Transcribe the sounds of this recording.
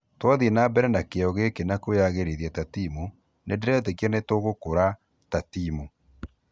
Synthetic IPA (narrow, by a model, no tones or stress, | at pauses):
twɔðinabɛɾɛnakeɔɣekenakoaɣeɾeðiɛtatimu | nʔedeɾɛtekiɛnetoɣokoɾa | tatimu